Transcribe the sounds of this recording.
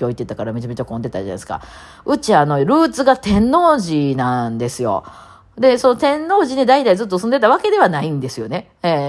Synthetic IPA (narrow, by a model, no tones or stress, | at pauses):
oːit̪ːe̞t̪akaɾamʲiʑame̞t͡ɕakõnd̪e̞t̪ad͡ʑana̰isɨ̥ka̰ | ɯ̟t͡ɕiano̞ɾɯ̟ːt͡sɨɡat̪ẽ̞nːo̞ːʑinãnd̪e̞sɨjo̞̰ | d̪e̞so̞not̪ẽ̞nːo̞ːʑined̪ait̪aizɨt̪ːosɨ̃nd̪e̞t̪aβ̞ake̞d̪e̞β̞anaĩnd̪e̞sɨjo̞ne̞ | e